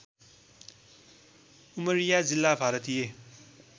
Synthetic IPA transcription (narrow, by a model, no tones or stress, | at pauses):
umʌɾijad͡zilːabʱaɾʌt̪ije